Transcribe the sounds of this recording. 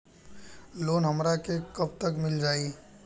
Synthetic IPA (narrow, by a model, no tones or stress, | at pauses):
loːnɦɐmɾakekɐb̚t̪ɐkmɪld͡ʒaːiː